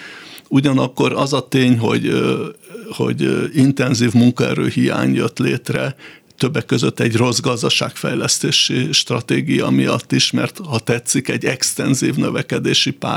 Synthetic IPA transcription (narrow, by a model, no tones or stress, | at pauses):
uɟɒnɒkːo̞ɾɒzɒt̪eːɲɦo̞̰ɟ | ho̞̰ɟint̪ɛnziːvmuŋkɒɛɾøːhija̰ːɲjøt̪leːt̪rɛ | t̪øbːɛkːø̞zøt̪ːɛɟro̞zɡɒzd̪ɒʃaːkfɛjlɛst̪eːʃiʃt̪rɒt̪eːɡijɒ̰mijɒt̪ːiʃmɛrt̪hɒt̪ɛt̪sːikɛɟːɛkst̪ɛnziːvnøvɛkɛd̪eːʃipa̰ː